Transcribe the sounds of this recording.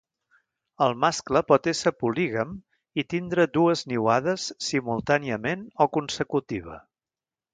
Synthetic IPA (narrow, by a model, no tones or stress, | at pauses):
əlˠmaskləpɔt̪esəpuliɣəm | it̪ind̪ɾəd̪uəzniwaðəsːimulˠt̪aniəmenɔkunsəkut̪iβ̞ə̰